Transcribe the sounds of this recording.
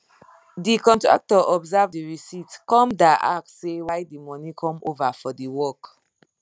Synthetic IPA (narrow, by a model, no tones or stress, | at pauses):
dikɔ̃ntɹa̰k̚tɔʔɔbzavdiɹisitkɔ̃mdaa̰k̚ssːewaɪdimɔnikʰɔ̃movafɔdiwɔk